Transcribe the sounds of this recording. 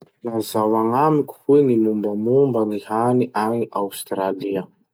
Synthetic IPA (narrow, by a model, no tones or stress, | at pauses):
lazawaŋamikʲu̥hwenimumbəmumbənihaniʔaŋiʔawst̪raliə